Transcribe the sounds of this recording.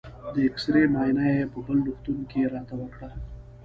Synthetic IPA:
d̪əɪksɾemɑjnajepəbəlːuxt̪unkeɾɑt̪awəkɽa

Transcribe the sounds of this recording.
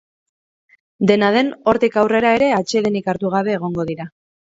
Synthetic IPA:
d̪e̞nað̞e̞no̞ɾt̪ikawre̞ɾae̞ɾe̞at͡ʃe̞ðe̞nikaɾt̪uɣ̞aβe̞ːɣ̞o̞ŋɡo̞ðiɾa

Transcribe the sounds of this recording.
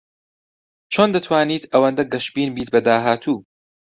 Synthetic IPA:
t͡ʃʰoːnd̪ɐt̪ʰwaːniːt̪ʰɐwɐnd̪ɐɡɐʃbiːnbiːt̪̚bɐd̪aːɦaːt̪ʰuː

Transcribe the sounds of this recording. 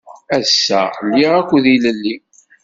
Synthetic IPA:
æsːælːiʁækʷːðiləlːi

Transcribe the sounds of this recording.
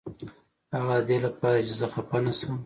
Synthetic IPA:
haɣad̪elapɑɾad͡ʒezəxapanasəm

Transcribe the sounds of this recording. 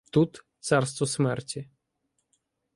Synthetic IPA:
t̪ut̪t̪sarst̪ʋɔsmɛrtʲi

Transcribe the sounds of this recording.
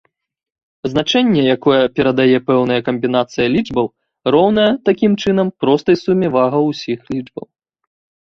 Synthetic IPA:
znat͡ʂɛnʲːɛjakɔjɛpʲɛɾɐd̪ajɛpɛwnɐjɐkɐmʲbʲinat̪sɨjɐlʲid͡ʐbɐw | rɔwn̪ɐjɐt̪akʲimt͡ʂɨn̪ɐmpɾɔst̪ɐjsumʲɛvaɣɐwsʲixlʲid͡ʐbɐ̰w

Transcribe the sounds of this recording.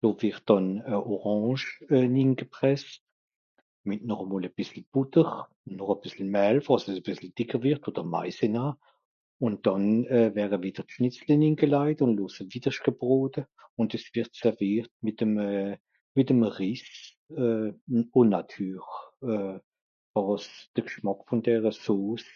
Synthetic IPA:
d̥oːvɪʁt̚d̥ɔnəʔɔʁɑ̃ːʃɛniːnɡ̥əpʁ̥ɛst | mɪtnɔχəmoːləb̥ɪsl̩b̥ʊtəʁ | nːɔχəb̥ɪsl̩mɛːlfəʁɑsɛsəb̥ɪsl̩d̥ɪkʰəʁvɪʁtoːd̥əʁma̰ɪsenaː | ʊn̚d̥ɔnɛvɛːʁəvid̥əʁtʃnɪt͡slɪninɡəlaɪtʊndloːsəviːd̥əʃkəbʁoːdə | ʊndɛsv̥ɪʁtsɛʁviːʁt̚mɪtəmɛ | mɪtəmʁis | ɛːʊnnatʰyːʁɛː | fɔʁsd̥əkʃmakfʊndɛːʁəsoːs

